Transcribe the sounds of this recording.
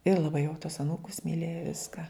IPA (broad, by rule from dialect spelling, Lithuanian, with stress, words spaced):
ɪr lˠɐˈbɐɪ jɛʊ tuɔs ɐˈnuːkʊs mʲɪˈlʲeːjɛ ˈʋʲɪskɐ